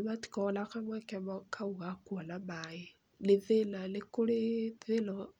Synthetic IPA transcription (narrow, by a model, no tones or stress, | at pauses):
mati̥kalakamwakɛmɔkʰauɣakwalamaji | leðelalekoleðelɔ